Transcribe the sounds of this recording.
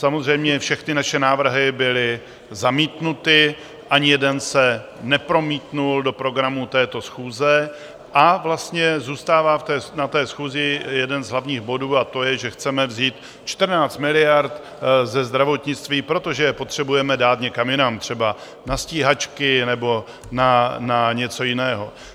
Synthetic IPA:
samo̞zrɛjmɲɛfʃɛxnɪnaʃɛnaːvr̩ɦɪbɪlɪ | zamiːt̪nut̪ɪ | ʔaɲɪjɛdɛnsɛ | nɛpɾo̞miːt̪nuldo̞pɾo̞ɡɾamut̪ɛːt̪o̞sxuːzɛ | ʔavlast̪ɲɛzuːst̪aːvaːft̪ɛːnat̪ɛːsxuːzɪjɛdɛnzɦlavɲiːɣbo̞duːat̪o̞jɛʒɛxt͡sɛmɛvziːt̪ | t͡ʃt̪r̩naːt͡st̪mɪlɪjaɾt̪ | zɛzd̪ɾavo̞t̪ɲɪt͡st̪viːpɾo̞t̪o̞ʒɛjɛpo̞t̪r̝̥ɛbujɛmɛdaːt̪ɲɛkamjɪnamt̪r̝̥ɛba | nasciːɦat͡ʃkɪnɛbo̞ | nanaɲɛt͡so̞jɪnɛːɦo̞

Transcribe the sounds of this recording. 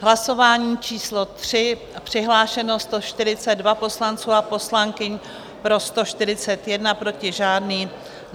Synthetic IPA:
ɦlaso̞vaːɲiːt͡ʃiːslo̞t̪r̝̥ɪ | pr̝̥ɪɦlaːʃɛno̞st̪oʃt̪ɪɾɪt͡sɛdvapo̞slant͡suːapo̞slaŋkɪɲ | pɾo̞st̪o̞ʃt̪ɪɾɪt͡sɛt̪jɛdnapɾo̞cɪʒaːdniː

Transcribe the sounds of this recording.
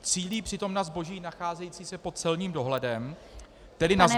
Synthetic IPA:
t͡siːliːpr̝̥ɪt̪o̞mnazbo̞ʒiːnaxaːzɛjiːt͡siːsɛpo̞t̪̚t͡sɛlɲiːmdo̞ɦlɛdɛm | t̪ɛdɪnaz

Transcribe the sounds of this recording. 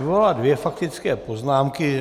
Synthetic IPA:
voaladvjɛfak̚t̪ɪt͡skɛːpo̞znaːmkɪ

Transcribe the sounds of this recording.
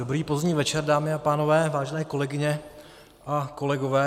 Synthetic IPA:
obɾiːpozdɲiːvɛt͡ʃɛrdaːmɪapaːno̞vɛːvaːʒɛnɛːko̞lɛɡɪɲɛ | ʔako̞lɛɡovɛː

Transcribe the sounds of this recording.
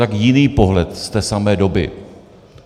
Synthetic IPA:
akjɪniːpo̞ɦlɛt̪st̪ɛːsamɛːdo̞bɪ̰

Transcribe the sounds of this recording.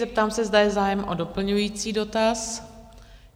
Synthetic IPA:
zɛp̚t̪aːmsɛzdajɛzaːjɛmʔo̞do̞pl̩ɲujiːt͡siːdo̞t̪as

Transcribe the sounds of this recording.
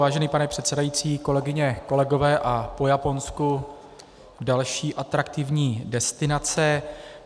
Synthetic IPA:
aːʒɛniːpanɛpr̥ɛt̪sɛdajiːt͡siːko̞lɛɡɪɲɛko̞lɛɡo̞vɛːʔapo̞japo̞nsku | dalʃiːʔat̪ɾak̚t̪ɪvɲiːdɛst̪ɪnat͡sɛ

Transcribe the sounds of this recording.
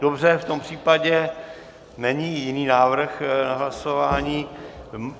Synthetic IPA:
d̥obr̝ɛft̪ompr̝̥iːpaɟɛ | nɛɲiːjɪniːnaːvr̩xnaɦlasovaːɲiː

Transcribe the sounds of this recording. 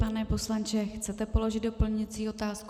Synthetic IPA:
panɛpo̞slant͡ʃɛxt͡sɛt̪ɛpo̞lo̞ʒɪd̪̚dopl̩ɲɪt͡siːo̞t̪aːsk

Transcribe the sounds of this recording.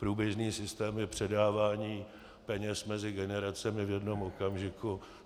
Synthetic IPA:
pɾuːbjɛʒniːsɪst̪ɛːmjɛpr̝̥ɛdaːvaːɲiː | pɛɲɛsmɛzɪɡɛnɛɾat͡sɛmɪvjɛdno̞mokamʒɪku

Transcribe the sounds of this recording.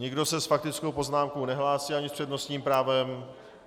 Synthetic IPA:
ɲɪɡdo̞sɛsfak̚t̪ɪt͡skowpo̞znaːmkownɛɦlaːsiːaɲɪspr̥ɛdno̞st̪ɲiːmpɾaːvɛm

